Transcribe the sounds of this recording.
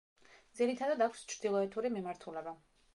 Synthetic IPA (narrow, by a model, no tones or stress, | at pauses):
d̪ziɾit̪ʰad̪ad̪akʷʰst͡ʃʰɾd̪̥ilˠɔɛt̪ʰuɾimimaɾt̪ʰulɛba